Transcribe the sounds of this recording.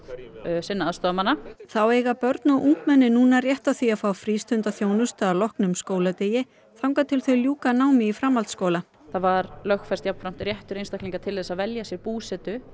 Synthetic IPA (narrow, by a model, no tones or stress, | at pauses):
sɪnːaːðst̪ɔːðmanːaθawejɣapœɾt̪naʔuŋ̥kmɛnːɪnuːnarjɛht̪awθiafaːwfɾiːst̪ʏnt̪aθjoːwnʏst̪aalɔhknʏmskoːwlat̪eːjɪ | θawŋkat̪ʰɪlθœɥljuːkanaːwmɪifɾamːalt̪skoːwla | θavaɾlœxfɛst̪japn̥fɾam̥t̪ɪɾjɛht̪ʏɾejnst̪ahkliŋkat̪ʰɪlɛsaðvɛljasjɛɾpuːsɛt̪ʏ